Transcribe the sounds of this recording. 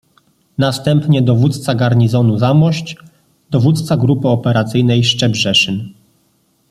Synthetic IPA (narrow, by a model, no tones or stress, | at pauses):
nast̪ɛmpɲɛd̪ɔvut̪t̪saɡaɾɲizɔnuzamɔɕt͡ɕ | d̪̥ɔvut̪t̪saɡɾupɘɔpɛɾat̪sɘjnɛjʂt͡ʂɛbʐɛʂɘn